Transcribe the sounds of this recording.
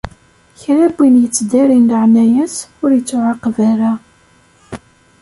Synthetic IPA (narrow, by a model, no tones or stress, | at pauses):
çɾæbːinjət͡sːd̪æɾinlʕnæjæsʊɾjət͡sːʊʕaqːvæɾæ